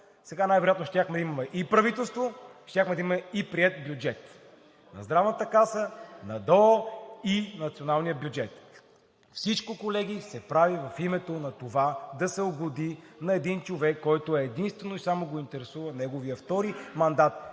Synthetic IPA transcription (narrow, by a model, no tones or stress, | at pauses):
sɛɡanajvɛɾojat̪noʃt̪ʲaxmɛd̪ɐimɐmɛʔipɾɐvit̪ɛlˠst̪voʃt̪ʲjaxmɛd̪ɐimɐmɛipɾiɛt̪̚bjud͡ʒɛt̪ | nɐ̰zd̪ɾavnət̪əkasənɐd̪ɔinɐt̪sionalˠnijəbjud͡ʒɛt̪ | fsit͡ʃkokolɛɡʲisɛpɾavivɐfimɛt̪onɐt̪ovad̪ɐsɛoɡod̪inɐɛd̪int͡ʃovɛkːɔjt̪oɛːd̪inst̪vɛnoisamoɡoint̪ɛɾɛsuvɐnɛɡovijəft̪ɔɾimɐnd̪at̪̚